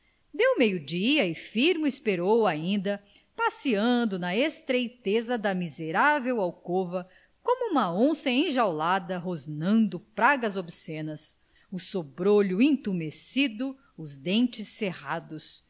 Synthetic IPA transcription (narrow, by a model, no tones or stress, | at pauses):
d̪ewmejʊd͡ʒiɐɪfiɾmʊispeɾowaĩnd̪ɐ | pasiɐ̃nd̪ʊnɐest̪ɾejt̪ezɐd̪ɐmizeɾavewawkovɐ | kõmʊũmɐõsẽj̃ẽʒawlad̪ɐɦoznɐ̃nd̪ʊpɾaɡɐzobisẽnɐs | ʊsobɾoʎʊẽt̪umesid̪ʊ | ʊzd̪ẽnt͡ʃɪsːehad̪ʊs